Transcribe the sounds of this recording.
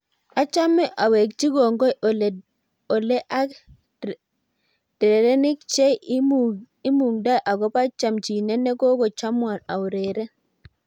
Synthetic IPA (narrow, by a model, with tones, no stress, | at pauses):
a˦t͡ʃa˦mɛ˦ʔa˨we˨kt͡ʃi˦ɡɔ˨ŋɡɔ˦˨l | ɔ˨lɛ˦ʔa˦k | d̥ɾe˨ɾɛ˦ni˦k̚t͡ʃɛ˦ | i˦mu˨ŋda˦jʔa˨ɡɔ˦pa˦t͡ʃa˨mt͡ʃi˨nɛ˦nɛ˦kɔ˦kɔ˨t͡ʃa˦mwa˨na˨u˨ɾe˨ɾɛ˦